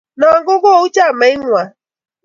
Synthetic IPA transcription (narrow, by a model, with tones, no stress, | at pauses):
nɔ˨ŋ˨ɡʊ˦ɡo˦˨u˦t͡ʃa˦˨ma˨i˦ŋʷa˨